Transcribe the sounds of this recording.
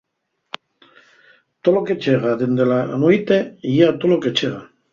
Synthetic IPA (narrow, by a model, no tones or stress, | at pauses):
t̪oloket͡ʃeɣaðend̪ela̰nuit̪eeat̪oloket͡ʃeɣa